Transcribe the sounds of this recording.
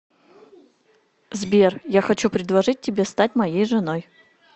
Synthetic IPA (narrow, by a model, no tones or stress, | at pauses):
zbʲerjaxɐt͡ɕupɾʲɪd̪lˠɐʐɨt̚ʲtʲːɪbʲe̞st̪atʲmɐjejʐɨnoj